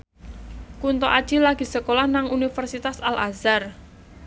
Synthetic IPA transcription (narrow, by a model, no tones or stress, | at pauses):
kunt̪ɔʔad̥ʒ̥ilaɡ̥i̤səkolahnaŋunifərsit̪asalʔa̰zar